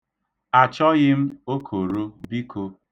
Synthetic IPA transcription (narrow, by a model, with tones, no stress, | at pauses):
a˨t͡ʃɔ˦ɣɪ˦m̩˦o˦kʰo˨ɾo˦bi˦kʰo˦